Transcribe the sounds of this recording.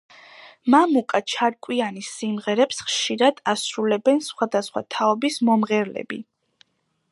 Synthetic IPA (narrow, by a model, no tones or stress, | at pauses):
mamukʼat͡ʃʰaɾkʼwianisimʁɛɾɛpsχʃiɾad̪̥asɾulɛbɛnsχwad̪asχwa̰t̪ʰaɔbismɔmʁɛɾlɛ̰bḭ